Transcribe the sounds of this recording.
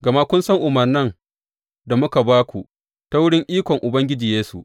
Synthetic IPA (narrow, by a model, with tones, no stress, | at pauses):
ɡɐ˨ma˦kʷʊ˦nsɐ˦ŋʔʊ˨mɐ˨rnɐ˦ŋ | da˨mʊ˦ka˨baː˦kʷu˨ | ta˦wʊ˦ɽɪ˦ŋʔiː˦kʷɔ˨ŋʔʊ˨bɐ˦ŋɡʲɪ˦d͡ʒiː˨jeː˦su˨ʔ